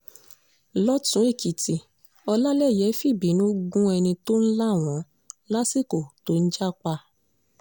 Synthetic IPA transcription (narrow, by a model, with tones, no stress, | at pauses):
lɔ˦tũ˨˦e˦˨ki˨ti˨ | ɔ˧la˦lɛ˦˨jɛ˨˦fi˦˨bi˨˦nũ˦ɡũ˦ɛ˧nĩ˧to˦n̩˦la˦˨w̃ɔ̃˨˦ | la˦si˦˨ko˨to˨˦n̩˦d͡ʒa˦k͡pa˧